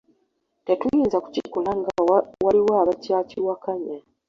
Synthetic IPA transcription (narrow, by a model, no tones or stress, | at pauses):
te̞tujiːnzaku̥cikulaŋɡawaliwaːβacaciwakaɲa